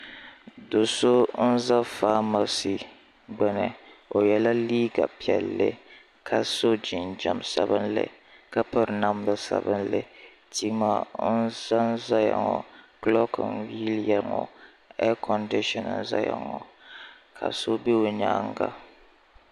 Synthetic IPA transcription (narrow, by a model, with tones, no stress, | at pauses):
do˨so˦n̩˦za˦faː˦ma˨si˨ | ɡ͡bɛ˨nɨ˨o˨jɛ˨la˦liː˦ɡa˨pi˨ɛ˨lːɨ˦ | kʰa˨so˦d͡ʒi˨nd͡ʒa˨msa˦bɨ˦nlɪ̰˨ | ka˦pa˨ɾna˦m˦la˦sa̰˦bɨ˦nlɨ˨ | ti˦ma˦˨nn̩˦za˦nza˦ja̰˨ŋɔ˨klɔ˦kɨ̰˨nwi˦ljɛ˨lŋɔ˨ | ɛ˦kʰɔ˨ndi˦ʃɔ˨n̰˨nza˦ja̰˨ŋɔ̰˨ | kʰa̰˨so˦be˦o˨ɲa̰˦ŋɡa̰˦